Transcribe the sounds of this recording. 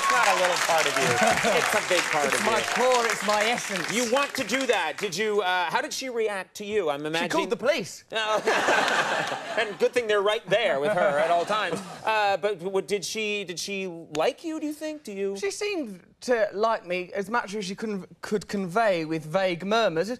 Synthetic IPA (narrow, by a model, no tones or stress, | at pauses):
ɪtsnəɾəlɪɾl̩ˠpʰɑɹɾʌvjʉɪtsəbɪɡ̚pʰɑɹɹɾʌmaɪkʰɔɹɪtsmaɪɛsɨ̃nsjɨwɑ̃ntʰɨdɨðæt̚d̥ɨd͡ʒɨʌhaʊɾɨd̥ʃiɹiæk̚tʰɨjɨãɪ̃mɨmæd͡ʒkʰɔlˠd̪̃ðəpʰəlis | o | ɨ̃nɡʊd̪̚θɪ̃ŋðə˞ɹaɪt̪̚ðə˞wɨð̥ə˞ɨɾɔlˠtʰãɪ̃mzʔʌbʌt̚wʌt̚d̥ɨdʃidɨd̥ʃilaɪkʰjɨɾɨjɨθɪ̃ŋk̚d̥ɨjɨʃisĩm | tʰɨlaɪk̚miɨzmʌt͡ʃɨz̥ʃikʰʊdⁿn̩kʰɨd̚kʰɨ̃ɱveɪwɪðveɪɡmɜ˞məz̥